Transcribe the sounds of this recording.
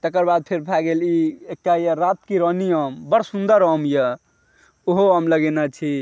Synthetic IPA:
t̪əkəɾbad̪̚pʰeɾpʰaɡeliek̚ʈajəɾat̪kiɾənijəmbəɽsund̪əɾəmjə | oɦoɦəmləɡenat͡ʃʰi

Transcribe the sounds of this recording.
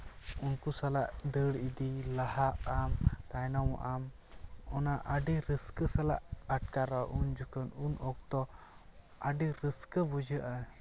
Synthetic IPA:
unkusalaʔd̪əɽid̪ilahaʔamt̪ajnawʔam | ɔnaʔəɖiɾəskəsala̰ʔaʈkaɾaʔund͡ʒukənunɔk̚t̪ɔ | aɖiɾəskəbud͡ʒəʔa

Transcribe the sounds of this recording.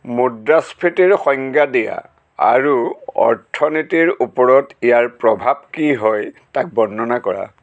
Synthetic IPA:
mudaspʰitiɹxɔŋɡadija̰ | a̰ɹuɔ̰ɹtʰɔnitiɹupɔɹɔtijaɹpɹɔbʱabkiɦɔjtak̚bɔnːɔnakɔɹa̰

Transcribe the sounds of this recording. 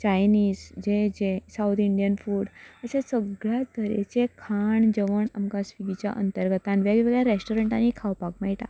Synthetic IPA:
t͡ɕajniːzd͡ʑed͡ʑẽsawt̪ʰiɳɖijənfuːɽəsẽsəɡɭjat̪əɾḛt͡ɕekʰaɳd͡ʑəʋəɳamkasʋiɡit͡ɕja̰ʔə̰nt̪əɾɡət̪ãnʋjeɡʋeɡɭjaɾesʈoɾəɳʈanikʰawpakmaiʈ̪a̰

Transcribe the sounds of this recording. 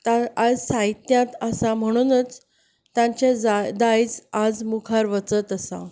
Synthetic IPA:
t̪aad͡zsajt̪jãt̪əsam̤əɽ̃unət͡s | t̪jãɲt͡ɕad͡zd̪ajt͡sad͡zmukʰaɾʋət͡sət̪əsa̰

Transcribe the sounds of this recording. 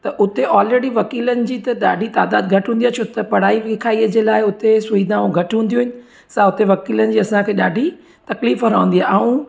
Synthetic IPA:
t̪ɐʔʊt̪eʔɔːlɾeːɽiʋɐkiːlənɪ̆d͡ʑiːt̪ɐɗaːɖʱit̪aːd̪aːd̪̚ɡʱɐʈɦũnd̪iaːt͡ɕʰot̪ɐpɐɽ̤aːiʋɪkʰaːiəd͡ʑeːlaːɪʊt̪esʊiːd̪ãːũɡʱɐʈɦũːnd̪iuɦɪnɪ̆ | sãʊt̪eʋɐkiːlənɪ̆d͡ʑiːɐsãkʰeːɗaːɖʱi | t̪ɐkliːfɦɐɾaːʋə̃n̆d̪iɦaːaːũ

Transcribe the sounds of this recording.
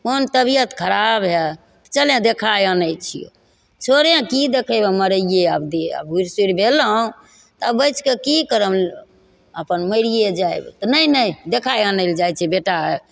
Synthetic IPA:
kont̪əbijət̪kʰəɾabɦe | t̪t͡ʃəlẽd̪ekʰajənəjt͡ʃʰḭjo̰ | t͡ʃʰoɾãkid̪ekʰəjbeməɾəijeabd̪eə̰bɦuɾsiɾbʱelɦũ | t̪ɔəbəjt͡ʃkekikəɾəm | əpənməɪɾijed͡ʒajb̰t̪ɔnəjnəjd̪ekʰajənəɪld͡ʒajt͡ʃʰɛbeʈa

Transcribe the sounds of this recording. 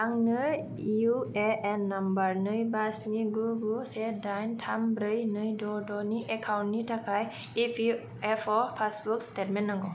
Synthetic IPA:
aŋnɯ | ueenːambaɾnɯjbasniɡuɡusedajntʰambɾɯjnɯjdɔdɔniʔekʰawntnitʰakʰaj | ipʰi | epʰɔpʰasbukstetmenːaŋɡɔ

